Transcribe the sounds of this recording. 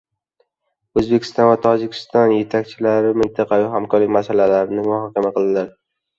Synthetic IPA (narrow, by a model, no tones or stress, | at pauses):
ɵzbekʲʰɪ̥st̪ɒnvat̪ʰɒd͡ʒɪkʲʰɪ̥st̪ɒnje̞t̪ʰakʲt͡ʃʰɪlaɾɪmɪnt̪ʰɑqʰɑvɪɦamkʰɒɾlɪkʲmasalalaɾɪnɪmʊhɒkʲamaqʰɨlˠd̪ɪlaɾ